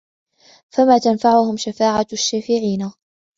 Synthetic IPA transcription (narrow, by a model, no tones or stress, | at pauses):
famaːt̪anfaʕʊhʊmʃafaːʕaʃːaːfɪʕiːna